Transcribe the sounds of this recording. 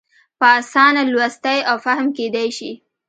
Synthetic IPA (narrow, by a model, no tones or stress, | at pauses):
pəɑsɑnalwast̪ajawfahmked̪ajʃi